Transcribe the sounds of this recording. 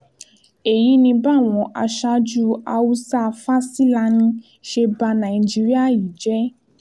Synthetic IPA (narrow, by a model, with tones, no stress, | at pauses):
e˨ji˨˦nĩ˧ba˦˨w̃ɔ̃˨˧ʔa˧ʃa˦d͡ʒu˦a˧wu˦sa˦˧fa˦si˦la˧nĩ˧ | ʃe˧ba˧nã˨i˨d͡ʒi˦ɾi˦a˦˨ji˨d͡ʒɛ˦